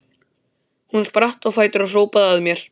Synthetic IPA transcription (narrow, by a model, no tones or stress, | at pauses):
hunspɾaht̪ɔɣfaːjt̪ʏɾar̥oːwpaðaðmjɛɾ̥